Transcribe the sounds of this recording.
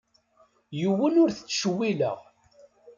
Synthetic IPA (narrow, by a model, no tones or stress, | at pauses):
juwːənʊɾθə̥t͡sːʃwilə̰ʁ